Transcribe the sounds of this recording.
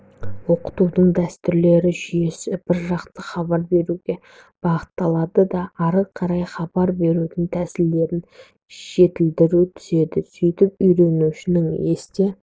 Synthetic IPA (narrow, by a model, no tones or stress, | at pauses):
wo̞qə̥t̪ud̪əɴd̪æst̪ʏɾle̞ɾɪʒʏje̞sɪbɪɾʒɑqt̪əχɑbɑɾbe̞ɾuɡʲe̞ | b̥ɑʁət̪ːɑlˠɑd̪əd̪ɑːɾəqʰɑɾɑjχɑbɑɾbe̞ɾud̪ɪŋt̪ʰæsɪld̪e̞ɾɪn | ʒ̥e̞t̪ɪld̪ɪɾut̪ʰʏ̥ze̞d̪ɪsʏjt̪ɪp̚ʏjɾe̞nuʃɪnɪŋe̞st̪e